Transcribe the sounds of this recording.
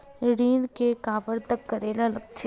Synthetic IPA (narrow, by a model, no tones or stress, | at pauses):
ɾiːnkekaːbəɾt̪əkːəɾeːlalək̚t͡ʃʰe